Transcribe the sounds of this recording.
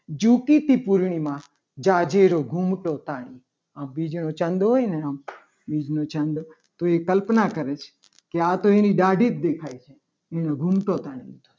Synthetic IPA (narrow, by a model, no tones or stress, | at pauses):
d͡ʒukit̪ipuɾɳ̃imã | d͡ʒad͡ʒeɾoɡʱumʈot̪aɽ̃i | ambid͡ʒnot͡ʃə̃nd̪ɦojneam | bid͡ʒnot͡ʃənd̪o | t̪oekəlpnakəɾet͡ʃʰe̥ | keat̪oeniɖaɖʱit̪̚d̪ekʰajt͡ʃʰe | enoɡʱumʈot̪aɽ̃ḭlid̪̥ʱot͡ʃʰe̥